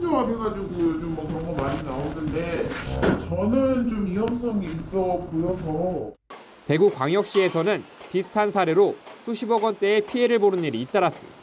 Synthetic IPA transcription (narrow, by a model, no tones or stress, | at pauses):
ɲuɦapʰeɡad͡ʑiɡujot͡ɕomːwʌkɯɾʌŋmɡʌmaɲinaonɯnde̞t͡ɕʌnɯnt͡ɕomijʌŋs͈ʌŋiːs͈ʌpojʌsʰʌ | te̞ɡukwaŋjʌk̚ɕ͈ie̞sʰʌnɯnpisʰɯ̥tʰansʰaɾe̞ɾosʰuɕʰibʌɡwʌnt͈e̞ːpʰie̞ɾɯɭboɾɯniɾiːt͈aɾas͈ɯmḭ̥a